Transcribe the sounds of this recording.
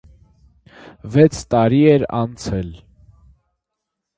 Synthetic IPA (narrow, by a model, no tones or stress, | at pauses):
vɛt͡sʰt̪ɑɾiɛɾɑ̰nt͡sʰɛl